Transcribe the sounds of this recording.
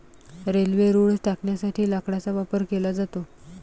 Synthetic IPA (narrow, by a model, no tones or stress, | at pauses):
ɾelʋeɾuɽsʈakɳjasaʈʰiːlakɽat͡saʋapəɾkelad͡zat̪o